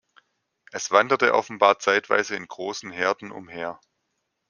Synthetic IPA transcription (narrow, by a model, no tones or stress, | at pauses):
ʔɛsv̥andɐtəʔɔ̰fn̩baːɐt͡saɪtv̥a̰ɪzəɪnɡ̥ʁoːsn̩ɦeːɐdn̩ʊ̰mheːɐ